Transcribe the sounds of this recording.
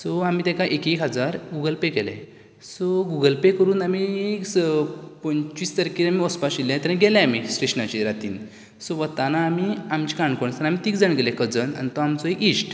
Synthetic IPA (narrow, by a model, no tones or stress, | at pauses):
sɔamiːt̪ẽkaʔekekɦəd͡zaɾɡuɡəlpekɛlɛ̰̃ | sɔɡuɡəlpekəɾuːnamiekspənt͡ɕist̪əɾkiamiɔspaɕilẽt̪əɾ̃ɡɛlɛ̃amisʈeɕnat͡ɕiɾat̪iːn | sɔʋət̪anaːmiamt͡ɕikaɳɖkəɳsanamit̪iːkd͡zəɳɡɛlekəd͡zəna̰nt̪ɔamt͡sɔekisʈ